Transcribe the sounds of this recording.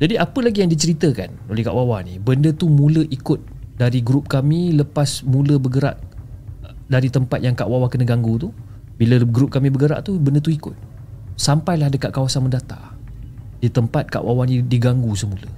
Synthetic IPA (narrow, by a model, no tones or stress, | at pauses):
d͡ʒadiʔapəlaɡijaŋdit͡ʃəɾit̪əka̰nolɛhka̰ʔwawaʔnibəndət̪umũləʔikʊt̪̚daɾiɡɾup̚kamĩləpasmũləbəɡəɾa̰ʔ | daɾit̪əmpat̪̚jaŋkaʔwawakənəɡaŋɡut̪u | biləɡɾup̚kamĩbəɡəɾa̰ʔt̪ubəndət̪uikʊt̪̚ | sampajlahdəkaʔ̚kawasanməndat̪a̰ | d̥it̪əmpat̪̚ka̰ʔwawanĩdiɡaŋɡusəmulə